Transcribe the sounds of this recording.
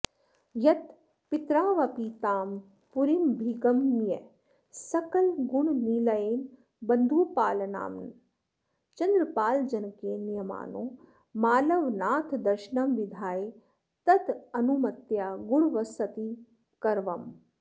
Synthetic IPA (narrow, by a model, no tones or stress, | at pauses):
jɐt̪ | pit̪ɾaːʋɐpiːt̪aːm | puɾimbʱiɡɐmje | sɐkɐlɡuɳniːlɐeːn | bɐnd̪ʱuːpaːlɐna̰ːmn | t͡ʃɐnd̪ɾɐpaːld͡ʒɐnkeːnijɐma̰ːnõː | maːlɐʋnaːt̪ʰd̪ɐɾʃnɐmʋid̪ʱaːje | t̪ɐt̪ɐnumɐt̪jaːɡuɽʋɐsɐt̪i | kɐɾʋɐm